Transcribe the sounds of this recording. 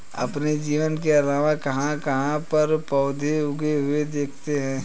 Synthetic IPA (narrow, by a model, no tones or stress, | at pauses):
ɐ̰pned͡ʒiːʋənkeaɾaːʋãkɐɦãkɐɦãpɐɾpɔːd̪ʱeʊɡeɦʊed̪eːkʰt̪eɦɛ̃ː